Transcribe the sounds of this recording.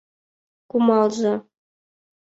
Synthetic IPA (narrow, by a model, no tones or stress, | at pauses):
kumɑlˠzɤ̆